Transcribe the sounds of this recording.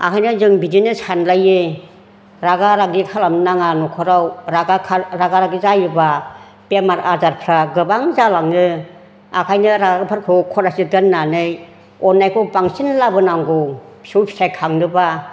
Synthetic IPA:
a̰kʰajnɯzɯŋbidinɯsanlajɯ | ɾaɡaɾaɡikʰalamnaŋanukʰɔɾawɾaɡakʰaɾaɡaɾaɡizajɯba | pemaɾazaɾpʰɾaɡɯbaŋzalaŋɯ | akʰajnɯɾaɡaɡpʰaɾkʰɯkʰɔɾasidɯnːanɯj | ɔnːajkʰɔbaŋsinlabɯnaŋɡɯwbsuwpʰi̥sajkʰaŋnɯba

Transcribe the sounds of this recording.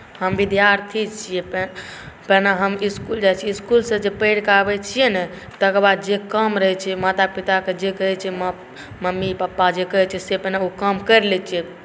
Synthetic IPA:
həmbid̪jaɾt̪ʰit͡ʃʰije | pənaɦəmiskuld͡ʒajt͡ʃʰiiskulsə̃d͡ʒepeɽkabɛt͡ʃʰijenɛ | t̪əkəɾbad̪̚d͡ʒekəmɾəɦɛt͡ʃʰɛmat̪apit̪aked͡ʒekəɦɛt͡ʃʰɛm | məmːipəpːad͡ʒekəɦɛt͡ʃʰɛsepənaokəmkəɾlɛt͡ʃʰijɛ

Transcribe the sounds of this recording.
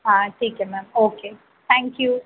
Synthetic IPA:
aʈʰiːkemæːmoːkeː | t̪ʰæ̃ːŋkju

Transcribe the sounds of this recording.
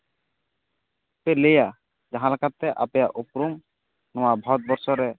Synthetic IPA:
peleja | d͡ʒaɦãlakat̪ːɛʔapejaʔupɾum | nɔwabʱɔt̪̚bɔɾsɔɾɛ

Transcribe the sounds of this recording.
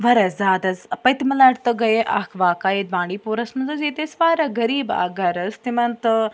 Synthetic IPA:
ʋɐɾɐzzaːd̪ɐzpɐjt̪imɐlɐʈt̪ɨɡɐjeʔɐ̰kʰʋaːkaːed̪̚bãːɳɖiːpoːɾɐsmɐnzɐzeːt̪esʋaːɾɐɡɐɾiːba̰ːɡɐɾɐzt̪imɐnt̪

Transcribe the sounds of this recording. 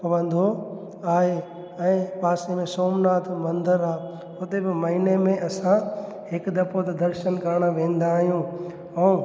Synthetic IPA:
pɐʋə̃nd̪ʱo | aːɦe | ɛ̃ːpaːsemẽsoːmnaːt̪ʰmɐ̃nd̪əɾaː | ʊt̪ebɪmɐɦinemẽʔɐsã | hɪkd̪ɐpot̪ɐd̪ɐɾʃənkɐɾɽ̃əʋẽːn̆d̪aːɦijũ | ɛː

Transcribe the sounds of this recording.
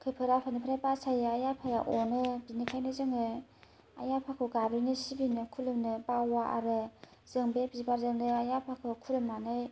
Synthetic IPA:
kʰɯpʰɯɾapʰanipʰɾajpasajaajapʰaja̰ʔɔnɯbinikʰajnɯzɯŋɯ | a̰japʰakʰɯɡabɾinɯsibinɯkʰulɯmnɯpawaʔa̰ɾɯ | z̥ɯŋbebizbaɾzɯŋnɯajapʰakʰɯkʰuɾɯmnanɯj

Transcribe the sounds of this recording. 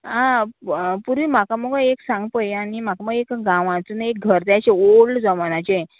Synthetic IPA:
ɦã | puɾʋiːm̤akaməɡəeksãŋɡpəjañim̤akaməɡekɡãʋãt͡sunek̚ɡʱəɾt̪jaɕeoɭd͡zɔmanat͡ɕe

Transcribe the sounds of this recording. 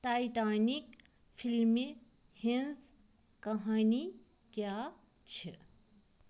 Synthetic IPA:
ʈajʈaːnik | pʰilmi | henz | kɐɦaːni | kja | t͡ʃʰe

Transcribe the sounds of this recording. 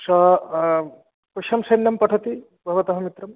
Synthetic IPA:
ʃɐɦ | kɾɐʂɐmsɐjnjɐmpɐʈʰɐt̪i | bʱɐʋɐt̪ɐɦɐmit̪ɾɐm

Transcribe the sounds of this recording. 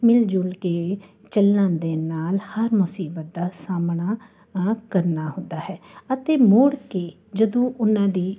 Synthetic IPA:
mɪld͡ʒʊlkeː | t͡ʃəlːãːd̪eːnaːlhəɾmʊsiːbət̪̚d̪aːsaːmɳaː | kəɾnaːhʊ̃nd̪aːɦɛːət̪eːmoːɽkeː | d͡ʒəd̪õːʔʊnãːd̪iː

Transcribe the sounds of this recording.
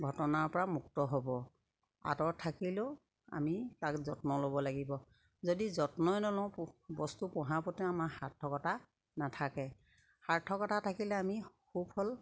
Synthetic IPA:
ɡʱɔtɔnaɹpɔɹamuk̚tɔɦɔbɔ | a̰tɔɹtʰakilʊ | a̰mitakzɔtnɔlobɔlaɡibɔ | zodizɔtnɔjnɔlɔ̃bɔstupɔɦapɔtɛamaɹhatʰːɔkɔta | natʰakɛ | haɹtʰɔkɔtʰatʰakilɛamixubhɔl

